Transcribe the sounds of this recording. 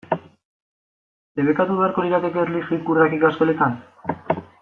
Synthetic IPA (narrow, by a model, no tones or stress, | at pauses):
deβe̞kat̪uβeaɾko̞diɾak̪ekeɾlixikurakikaskole̞t̪an